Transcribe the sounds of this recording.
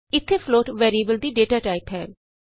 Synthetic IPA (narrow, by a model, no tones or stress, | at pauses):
ɪt̪ʰːeːfʰloːʈʋeːɾiəbəld̪iːɖeːʈaːʈaːɪpɦɛː